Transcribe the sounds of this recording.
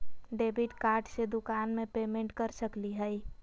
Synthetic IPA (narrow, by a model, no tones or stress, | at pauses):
ɖebiʈkaːɾɖsed̪ʊkanmẽpemẽɳʈkəɾsəkliɦəj